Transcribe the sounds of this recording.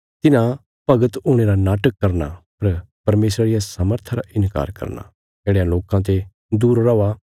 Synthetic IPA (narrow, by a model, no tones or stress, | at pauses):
t̪ɪnã | pɐɡət̪uːɽ̃eːɾanaːʈəkːɐɾna̰pɐɾ | pɐɾmeːsɾaɾɪjasaːməɾt̪ʰaɾaʔɪnka̰ːɾkɐ̰ɾna̰ | d͡ʒeːɽejãloːkãt̪̬e | d̪uːɾɾɔʋa